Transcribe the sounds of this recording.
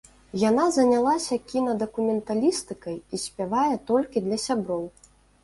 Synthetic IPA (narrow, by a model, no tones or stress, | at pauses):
janazɐnʲalˠasʲɐkʲinɐd̪ɐkumʲɛnt̪alʲist̪ɨkɐjisʲpʲavajɛt̪ɔlʲkʲid̪lʲɐsʲabɾɔw